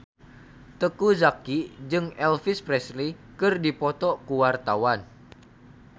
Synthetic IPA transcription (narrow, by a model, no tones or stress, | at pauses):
t̪əkuzakid͡ʒɨŋɛlfɪspɾɛslikɨrdipɔt̪ɔkuwart̪awan